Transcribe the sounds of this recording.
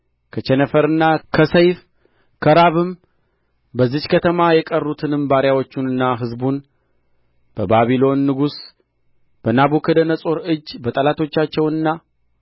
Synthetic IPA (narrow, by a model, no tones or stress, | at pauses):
kʰət͡ʃɛnəfəɾɨnːakʰəsəjf | kʰəɾaβɨm | bəzːɨt͡ʃkʰət̪ʰəmajɛkʼərːut̪ʰɨnɨmbaɾjawo̞t͡ʃːunɨnːaɦɨzbun | b̥əbaβilo̞nːɨɡus | b̥ənabukʰəd̪ənəsʼo̞ɾɨd͡ʒːbət̪ʼəlat̪ʰo̞t͡ʃːat͡ʃːɛwɨnːa